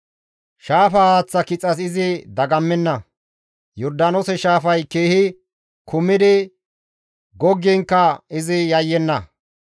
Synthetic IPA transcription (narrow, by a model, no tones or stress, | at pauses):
ʃaːfɐhaːt͡sːɐkɪt͡sʼːɐsɪzɪd̪ɐɡɐmːɛnːɐ | jɔɾd̪aːnosɛʃaːfɐjkeːhɪ | kʰʊmːɪd̪ɪ | ɡɔɡːɪŋkːɐɪzɪjɐjːɛnːɐ